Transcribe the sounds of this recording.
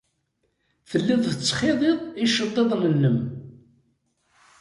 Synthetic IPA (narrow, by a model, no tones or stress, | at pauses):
θəlːɪðˤθət͡sːχeðˤeðˤiʃəd̪ˤːeðˤnənːəm